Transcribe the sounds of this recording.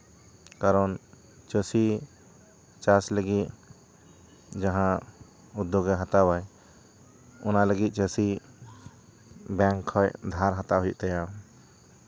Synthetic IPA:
kaɾɔn | t͡ʃəsi | t͡ʃasləɡit̪̚ | d͡ʒaɦã | ud̪ːoɡɛɦat̪awaj | ɔnaləɡit̪̚ˀt͡ʃəsi | bɛŋkʰːɔjd̪ʱaɾɦat̪aɦɔjṵʔt̪aja

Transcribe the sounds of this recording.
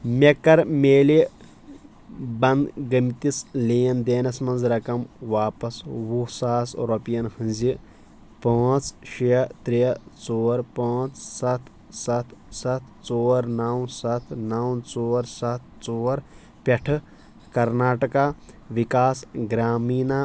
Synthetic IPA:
mʲekɐɾmeːli | bɐnd̪ɡɐmt̪isleːnd̪eːnɐsmɐnzɾɐkɐmʋaːpɐsʋusaːsɾopijɐnhɨnzi | paːt͡sʃiɐt̪ɾit͡soːɾpaːt͡ssɐt̪ʰ | sɐt̪ʰsɐt̪ʰt͡soːɾnɐwsɐt̪ʰnɐwnt͡soːɾsɐt̪̚ʰt͡soːɾ | pʲɐʈʰ | kɐɾnaːʈɐkaː | ʋikaːsɡɾaːmiːna

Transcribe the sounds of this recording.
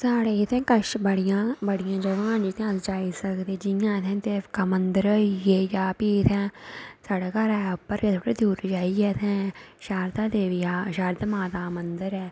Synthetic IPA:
saːɽeːɪt̪ʰɛ̃ːkəʃbəɽɪjãːbəɽɪjãːd͡ʒəʋãːnd͡ʒɪt̪ʰːãsd͡ʒaːisəkd̪eːd͡ʒɪjãːt̪ʰɛ̃nt̪eːkaːmənd̪əɾəijeːjaːpiːt̪ʰɛ̃ːsaːɽeːkaɾɛːʊpːəɾjeːt̪ʰoːɽeːd̪uːɾd͡ʒaːiɛːt̪ʰɛ̃ːʃaːɾt̪aːd̪eːʋiaːʃaːɾt̪amaːt̪aːmənd̪əɾɛː

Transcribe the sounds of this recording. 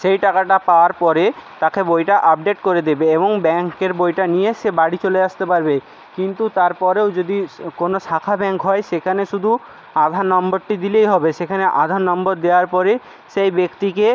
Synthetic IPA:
ʃejʈakaʈapaoaɾpɔɾet̪akebojʈaʔap̚ɖeʈkoɾed̪ebeeboŋbɛŋkeɾbojʈanijeʃebaɽit͡ɕoleaʃt̪epaɾbe | kint̪ut̪aɾpɔɾewd͡ʑod̪ikonoʃakʰabɛŋkɦɔeʃekʰaneʃud̪ʱu | ad̪ʱannɔmboɾʈid̪ilejɦɔbeʃekʰaneʔa̰d̪ʱannːɔmboɾd̪eoaɾpɔɾe | ʃejbekt̪ike

